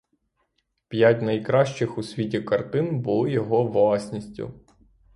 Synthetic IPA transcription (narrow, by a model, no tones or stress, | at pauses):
pʲjatʲnɐjkɾɑʃt͡ʃɪxusʲʋʲitʲikɐrt̪ɪnbʊlˠɪjɔɦɔʋlˠɑsʲnʲisʲtʲʊ̰